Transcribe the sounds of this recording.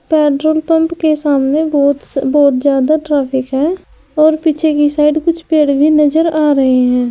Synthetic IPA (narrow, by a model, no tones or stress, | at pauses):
pɛːʈɾoːlpə̃mpkesaːmneːɔːt̪bɔːt̪zjaːd̪aːʈɾaːpʰɪkɦɛ̃ː | ɔːɾpiːt͡ʃʰeːkisaːɪɖkʊt͡ʃʰpeːɽbʱiːnəd͡ʒəɾaːɾəɦeɦɛ̃ː